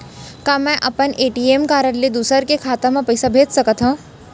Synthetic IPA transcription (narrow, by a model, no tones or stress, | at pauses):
kaːmɛ̃ʔɐpəneːʈiemkaːɾəɽlid̪uːsəɾkekʰaːt̪ãmãpɐɪsabʱeːd͡ʒ̪sɐkət̪ɦã